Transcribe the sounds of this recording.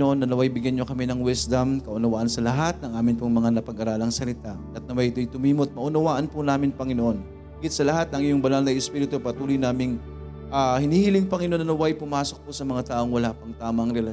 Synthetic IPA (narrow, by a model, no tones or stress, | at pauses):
oʔo̞nːɐnɐwajbɪɡjɐnːokɐmɛnɐŋwɛsd̪ɐmkɐʔʊnɐwaːʔɐnsɐlɐɦat̪̚nɐŋʔaːmɪnpoŋmɐŋanɐpɐɡʔɐɾaːlɐŋsɐlɪt̪aʔɐt̪̚nɐmɐjʔɪt̪ojt̪ʊmiːmot̪̚mɐʔʊnɐwaːʔɐnpʊnaːmɪnpɐŋɪnoʔo̞nː | ɡɪt̪̚sɐlɐɦat̪̚nɐŋʔɪjʊŋbɐlalnɐjɛspiːɾɪt̪opɐt̪uːlojnaːmɪŋ | ʔahɪniːhɪlɪŋpɐŋɪnoʔnɐnɐwajpʊmaːso̞k̚pʊsɐmɐŋat̪aːʔo̞ŋwɐlapɐŋt̪aːmɐɐŋɾɛlɐ